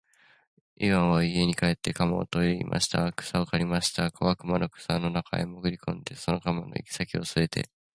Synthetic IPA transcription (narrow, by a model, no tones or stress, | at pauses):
iβãɰ̃βaie̞ɲ̟ikae̞t̪ːe̞kamao̰t̪oiɾʲimʔa̰ɕi̥t̪akɯ̟̥saokaɾʲimaɕi̥t̪akʰoβakɯ̟manokɯ̟̥sano̞nakʰa̰emoɡɯ̟ɾʲikõ̞nd̪e̞so̞no̞kamanʔo̰ḭkʲi̥sakʲio̞sɨe̞t̪ʰe̞̰